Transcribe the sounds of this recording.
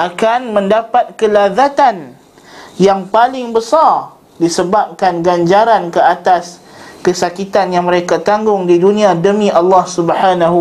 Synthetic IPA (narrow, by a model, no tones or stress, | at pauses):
ʔakanmə̃ndapat̪̚kəlaðat̪an | jaŋpalɪŋbəsar | disəbap̚kanɡaɲd͡ʒaɾankəat̪as | kəsakit̪anjaŋmə̃ɾekat̪aŋɡʊŋdidunĩãdəmĩʔalːɑhsubəħanaɦ